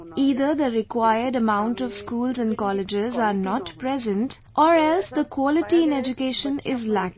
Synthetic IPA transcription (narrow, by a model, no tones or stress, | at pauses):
iːd̪əɾd̪əɾɪkwaɪəɾɖəmãʊ̃ɳʈɔʋskuːlzɛ̃nɖkɔlɪd͡ʒɪzaɾnɔʈpɾɛzə̃nʈʔɔːɾɛlsd̪əkʰwɔlɪʈiɪ̃nɛd͡ʒʊkeːʃə̃nɪzlæk̚